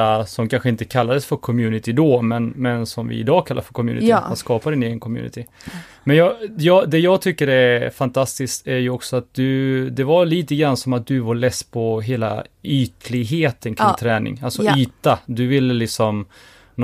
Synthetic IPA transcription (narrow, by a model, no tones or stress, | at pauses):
asɔmkʰanɧəɪnt̪əkʰalːad̪əsfœɾkʰɔmjʉ̟ːnɪt̪ʰɪd̪ɔmɛnmɛnsɔmvɪ̰ɪ̰d̪ɑːkʰalːa̰ɾfœɾkʰɔmjʉ̰ːnɪɪanskɑːpad̪ɪneːɡənkʰɔmjʉ̰ːnɪ̰t̪ʰɪ | mɛnjɑjɑːd̪ɛjɑːɡt̪ʰʏkːəɾɛfant̪ʰast̪ɪskt̪æɾjɵɔksɔat̪̚d̪ɵd̪ɛvaliːt̪əɡɾansɔmat̪̚d̪ɵvaɾɭɛspʰɔɦeːla̰yːt̪lɪɡɦeːt̪ʰənkʰɪŋŋt̪ʰɾɛːnɪ̰ŋalsɔyːt̪ad̪ɵvɪlːəlɪksɔm | n